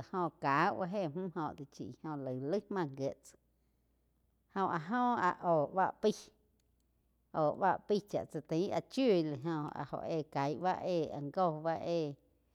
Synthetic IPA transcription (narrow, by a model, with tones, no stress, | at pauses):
a˨hõ˧˨kaː˨˦wa˦ɦe˦˨m̥ũ˦ɦõ˧˨t̪i˨t͡ʃḭ˨hõ˧lə˨lə˦hmã˦˧˨ŋɡje˨ʔt͡s | hõ˧ʔa˨ɦõ˦˨a˨ʔoː˨ba̰˦ʔpi˦ | ʔoː˨ba̰˦ʔpi˦˧t͡ʃa̰˨ʔt͡sa˧t̪ĩ˨˦a˧˨t͡ʃju˦˨li˨ɦõ˧a̰˨ho̰˨ʔeː˧˨ka˨˦jʔba̰˦eː˧˨a̰˨ŋɡo˦˧˨ba˦ʔeː˧˨